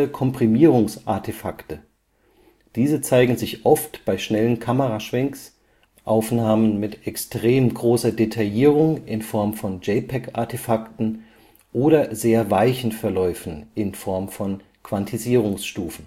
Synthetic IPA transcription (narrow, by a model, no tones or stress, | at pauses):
əkʰɔmpʁ̥imiːʁ̞ʊŋsʔa̰ɐtʰefaktə | d̥iːzət͡saɪɡŋ̩zɪçʔɔftb̥aɪʃnɛlənkʰaməʁaʃv̥ɛŋks | ʔaʊfnaːmənmɪtɛkstʁ̥eːmɡʁoːsɐdetʰajiːʁ̞ʊŋʔɪnfɔɐmfɔnd͡ʒɛɪpʰɛka̰ɐtʰefaktn̩ | ʔoːɾɐzeːɐvaɪçn̩fɛɐlɔʏfn̩ʔɪnfɔɐmfɔn | kv̥antʰiziːʁ̞ʊŋsʃtuːfn̩